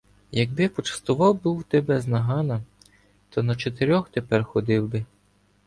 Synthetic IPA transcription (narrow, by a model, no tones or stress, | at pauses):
jɐɡ̚bɪpɔt͡ʃɐ̥st̪ʊʋɑwbuwt̪ɛbɛznɐɦɑnɐ | t̪ɔnɐt͡ʃet̪eɾʲɔxt̪epɛrxɔd̪ɪwbɪ